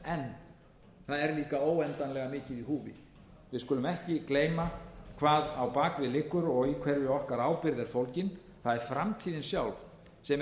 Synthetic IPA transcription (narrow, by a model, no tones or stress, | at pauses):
ɛn | θaðɛɾliːkaoːwɛnt̪anlɛɣamɪːcɪðiɦuːvɪ̰ | vɪðskʏːlʏmɛhcɪkleːjmakʰvaːðawpaːkvɪlɪkːʏɾɔɣikʰv̥ɛɾjɪɔhkaɾaːwpɪɾðɛɾ̥fowlcɪn | θaðɛɾ̥fɾamt̪ʰiːðɪnsjawlv | sɛm